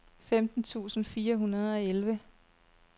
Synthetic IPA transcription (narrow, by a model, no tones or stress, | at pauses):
femd̥n̩t͡sʰṵːsn̩fiːɐɦunɐð̞ˠɒ̽elʋə